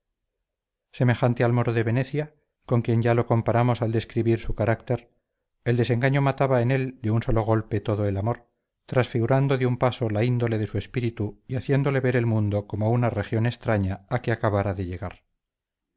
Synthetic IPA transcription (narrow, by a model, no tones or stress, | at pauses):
se̞me̞xant̪ealmo̞ɾoðe̞βe̞ne̞θja | ko̞ŋkje̞ɲʝalo̞ko̞mpaɾamo̞sald̪e̞skɾiβiɾsukaɾakt̪e̞ɾ | eld̪e̞se̞ŋɡaɲo̞mat̪aβae̞ne̞ld̪e̞unso̞lo̞ɣ̞o̞lpe̞t̪o̞ðo̞elamo̞ɾ | t̪ɾasfiɣuɾand̪o̞ðeumpaso̞laind̪o̞le̞ðe̞sue̞spiɾit̪uiaθje̞nd̪o̞le̞βe̞ɾe̞lmũnd̪o̞ko̞moaunare̞xjo̞ne̞st̪ɾaɲaakeakaβaɾaðe̞ʎe̞ɣaɾ